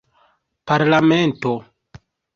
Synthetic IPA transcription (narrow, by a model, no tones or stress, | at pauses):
paɾlamento